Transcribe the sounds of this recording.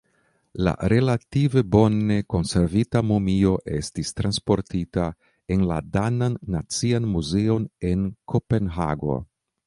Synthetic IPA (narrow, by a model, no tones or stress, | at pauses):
la̰ɾe̞lative̞bo̞ne̞ko̞nse̞ɾvitamumio̞ʔe̞stistɾanspo̞ɾtita | e̞nla̰dananːat͡sianmuze̞o̞ne̞nkʰo̞pe̞nɦa̰ɡo̞̰